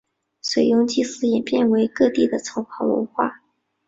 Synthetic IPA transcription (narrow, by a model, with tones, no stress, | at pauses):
swe˨˩ɪjʊ˧˥ŋt͡ɕi˥˩sɹ̩˥jɛ˨˩pjɛ˥˩nwe˧˥ɪkɤ˥˧t̪i˥˩d̪ə˩t͡sʰɤ˧˥ʊxʰɑ˧˥ʊwə̰˧˥nxwa̰˥˩